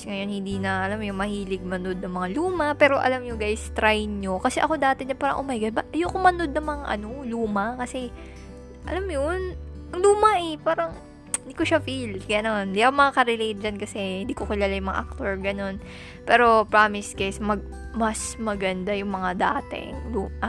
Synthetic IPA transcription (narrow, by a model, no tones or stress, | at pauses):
sŋɐjo̞nhɪnd̪inɐʔɐlamjʊŋmɐhiːlɪɡ̚mɐno̞d̪̚nɐŋmɐŋaluːmɐpɛːɾo̞ʔɐ̰lamɲʊŋɡajst̪ɾajnɲokɐsɛʔɐko̞d̪aːt̪ɛɲɐpaːɾɐ̰ŋʔomɐjɡajbaʔɐjokʊmɐno̞d̪̚nɐŋmɐŋaʔɐno̞luːmɐkɐsɛ | ʔɐ̰lamjonʔɐŋluːmɐʔɛpaːɾɐŋ | ɪnd̪iko̞ʃafilɡɐno̞nd̪iʔɐkomɐŋakɐɾɛlejt̪̚d͡ʒɐnkɐsɛhɪnd̪iːkokɪlaːlajʊŋmɐŋa̰ʔɐk̚t̪oɹɡɐno̞n | pɛːɾo̞pɹaːmɪsɡ̥ajsmɐɡ̚ | mɐsmɐɡɐnd̪ajʊŋmɐŋad̪aːt̪ɛ̰ŋluːa